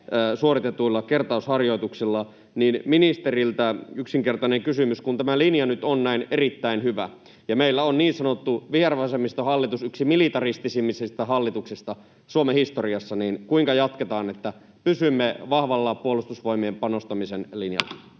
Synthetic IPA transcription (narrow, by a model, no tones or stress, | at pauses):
suorit̪et̪uilːɑkert̪ɑˑushɑrjo̞it̪uksilːɑ | niːnminist̪erilt̪æyksiŋkert̪ɑneŋkysymyskunt̪æmælinjɑnyt̪onnæinerit̪ːæinhyʋæ | jɑmeilːæonniːnsɑnot̪ːuʋierɑʋɑsemist̪ɑhɑlːit̪usyksimilit̪ɑrist̪isimːisest̪æɦɑlːit̪uksist̪ɑ | suomehist̪oriɑsːɑniːnkuiŋkɑjɑt̪ket̪ɑːnet̪ːæ | pysymːeʋɑhʋɑlːɑpuolust̪usʋoimeːmpɑnost̪ɑmisenlinjɑ̰lːɑ